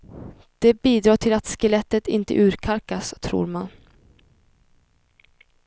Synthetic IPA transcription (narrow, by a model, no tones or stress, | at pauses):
d̪̥ɛbiːd̪ɾɑːʈʰɪlat̪skəlɛt̪ːət̪ɪ̰nt̪ə̰ʔʉ̟ːɾkʰaɾkast̪ʰɾṵːɾman